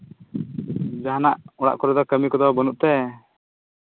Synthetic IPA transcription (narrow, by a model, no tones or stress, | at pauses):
d͡ʒaɦanaʔɔɽa̰ʔkɔɾɛd̪ɔkəmikɔd̪ɔbɔnuʔt̪ɛ